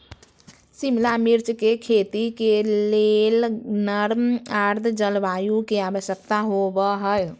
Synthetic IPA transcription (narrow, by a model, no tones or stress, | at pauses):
simlamiɾt͡ʃkekʰet̪ikelelnəɾmaɾd̪ʱd͡ʒəlbajukeaʋəsjək̚t̪aɦobəɦəj